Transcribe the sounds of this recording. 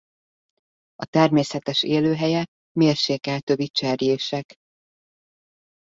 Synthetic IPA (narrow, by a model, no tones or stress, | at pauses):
ɒt̪ɛrmeːsɛt̪ɛʃeːløːɦɛjɛ | meːrʃeːkɛlt̪øbit͡ʃɛɾjeːʃɛk